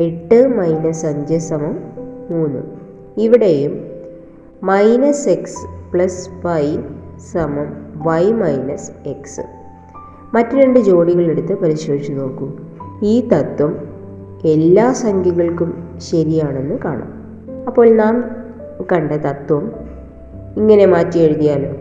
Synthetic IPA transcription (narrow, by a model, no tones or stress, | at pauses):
eʈːɨmɐjnɐsɐɲd͡ʑɐsɐmɐmmuːnːɨ̰ | iʋiɽejum | mɐjnɐseksɨ̥pɭɐsfɐjsɐmɐmʋɐjmɐjnɐse̞ksɨ̰ | mɐtːɨɾe̞ɳɖɨd͡ʑo̞ːɽiɣɐɭe̞ɽut̪ːɨpɐɾiɕwoːʋit͡ɕːuno̞ːkːumiːt̪ɐt̪wɐm | e̞lːaːsɐŋɡʱɐɣɐɭkum | ɕɐɾijaːɳe̞nːɨka̰ːɳa̰ːm | ɐpːo̞ːɭnaːm | kɐɳɖɐt̪ɐt̪wɐm | iŋːɐne̞maːtːieɻuðijaːlo